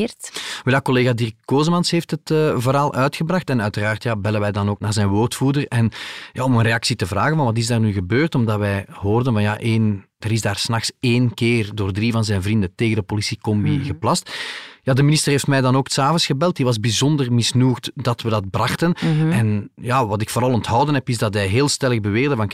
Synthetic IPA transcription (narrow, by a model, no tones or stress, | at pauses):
tʋɛlaːkɔleːɣadɪrkːoːzəmɑnsɦeːftɦətəvəɾaːlˠʔœːɥtxəbrɑxtɛnœɥtəraːrtjaːbɛlənʋɛjdɑnoːknaːrzɛːnwoːrtfuːdərɛnjaːɔmənreɑksitəvraːɣənvɑnʋɑt̬ɪzdaːrnyːɣəbøːrtɔmdɑtʋɛjɦoːrdənvɑnja̰ʔeːndəɾɪzdaːrsnɑxseːnkeːrdoːrdrivɑnzɛjnvrindəteːɣəndəpolisikɔmbiɣəplɑstjaːdəminɪstərɦeːftmɛjdɑnoːktsaːvənsxəbɛlˠt̚diʋɑzbizɔndərmɪsnuːxtdɑtwədɑt̚brɑxtənɛnjaːʋɑtɪkfoːɾɑlˠɔntɦɑwdənɦɛpɪzdɑtɦɛjɦeːlˠstɛləɣbəʋeːrdəvɑn